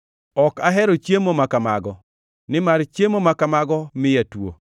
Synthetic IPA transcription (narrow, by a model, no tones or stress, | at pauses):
ɔkaɦɛɾot͡ʃjemomakamaɡɔ | nɪmart͡ʃjemomakamaɡɔmɪjatwo̰